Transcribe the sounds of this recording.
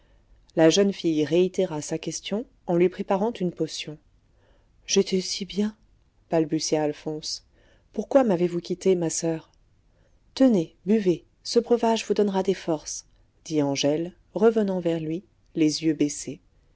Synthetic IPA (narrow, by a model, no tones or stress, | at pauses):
laʒənfijʁeit̪eʁasakʲɛst̪jɔ̃ | ɑ̃lɥipχepaʁɑ̃t̪ynpɔsjɔ̃ | ʒ̥et̪ʰɛsibjɛ̃ | b̥albysjaːlfɔ̃s | puʁkwamavevukʲit̪emasœʁ | t̪ənebyve | səbʁəvaʒvud̪ɔnʁad̪efɔʁs | d̪̥iɑ̃ʒɛl | ʁəvənɑ̃vɛʁlɥi | lezjøbese